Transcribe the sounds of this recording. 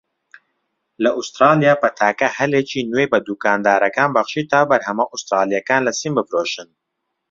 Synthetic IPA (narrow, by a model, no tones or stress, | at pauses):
lɐʔust̪ɾaːlijaːpɐt̪ʰaːkɐhɐlet͡ʃʰiːnwejbɐd̪uːkaːnd̪aːɾɐkaːnbɐχʃiːt̪ʰaːbɐɾhɐmɐʔust̪ɾaːlijɐkaːnlɐsimbɨfɾoːʃɨn